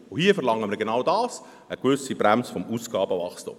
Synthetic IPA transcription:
ʊhiəfɛɾlɑŋːəməɾɡenawdɑːs | əɡ̥ʋʏsibɾæmsfɔmuːsɡ̥ɑːbəvɑχstʊ̰m

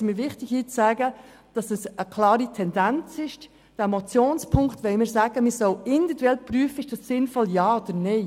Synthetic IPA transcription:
miɾʋɪχtɪɡhiːt͡ssæːɡə | d̥ɑsɛsəkʰlɑːɾitʰɛndænt͡sɪʃ | d̥ɛmɔt͡sjoːnspʰʊŋktʋɛɪmɪɾsæːɡ̥əmɪsɔʊɪndid̪uɛlpryːəfəɪʃd̥ɑssɪnfɔljɑːod̪̥əɾnɛɪ

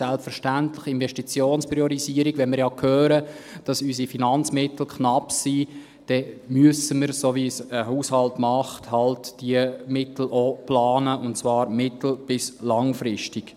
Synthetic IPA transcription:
ɛlpfɛɾʃtæntlɪχɪnvɛʃtit͡sjoːnspɾiɔɾiziːəɾiɡʋɛnmɪɾjɑkʰhøːɾəd̥ɑsysifinɑnt͡smɪtl̩kʰχnɑpsi | d̥ɛmyəsəməɾsovisəhuːshɑltmɑχthɑltd̥iəmɪtl̩ʔoplɑːnəʔʊntt͡svɑːɾmɪtl̩b̥ɪslɑŋfɾɪʃtɪk

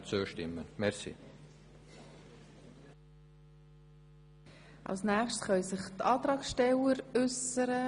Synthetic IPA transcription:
t͡søːʃtɪmːənmɛɾsḭ | ʔɑ̰lsnæːχʃtsχœʏsɪχtɑːt̪ɾɑːksʃtɛləɾʏsəɾə

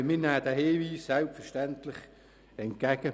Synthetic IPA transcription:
mɪnæːd̥æheːʋiːsːɛlpfəʃtɛntlɪχ | ɛnt̚ɡ̥ɛɡ̥ə

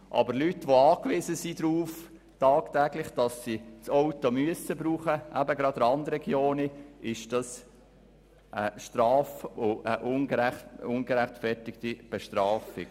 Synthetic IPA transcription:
ʔɑ̰bəɾlytːʋoɑːkʋɪzəsid̪ɾuːf | tɑːkt̪æɡlɪχd̥ɑsːit͡sɔwt̪omyəsəbɾuːχəʔæbəɡɾɑd̥̪əɾɑnd̪əɾɛɡjoːniɪʃd̥ɑs | ʔəʃtɾɑːfoəʔʊnɡəɾæχʊnɡəɾæχtfɛɾtɪkt̪ib̥ɛʃtɾɑːfɪ̰ɡ

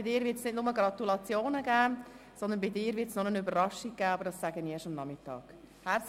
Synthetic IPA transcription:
ɪdɪːɾvɪtsnɪdnʊməɡɾɑt̪ulɑt͡sjoːnəɡæː | sɔnd̪ənbɪdɪːɾvɪtsnonənybərɾɑʃik̚ɡ̥æːɑbəɾdɑsæɡəniɛʃɑmnɑmɪtɑ̰ːɡ̥ | hæ

